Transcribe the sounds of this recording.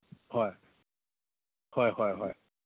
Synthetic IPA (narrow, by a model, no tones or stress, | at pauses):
hɔj | hɔjhɔjɦɔ̰j